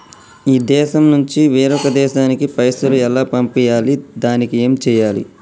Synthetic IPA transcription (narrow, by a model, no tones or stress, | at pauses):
iːd̪ɛːʃɐmnuɲt͡ʃiʋeːɾɔkɐd̪ɛːʃaːnikipɐjsɐluɛlːaːpɐmpɛjaːlid̪aːnikie̞ːmt͡ʃɛːjaːlḭ